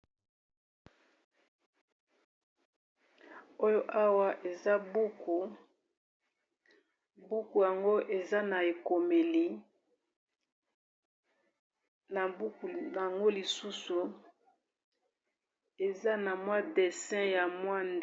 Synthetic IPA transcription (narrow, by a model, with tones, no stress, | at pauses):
o˦jo˦ʔa˦wa˦ʔe˨za˦bu˦ku˨ | bu˦ku˨ja˨ŋɡo˦ʔe˨za˦na˨e˨ko˨me˨li˦ | na˨bu˦ku˨a˨ŋɡo˦li˨su˦su˨ | e˨za˦na˨mwa˦de˨sɛ̃˦ja˨mwa˦nd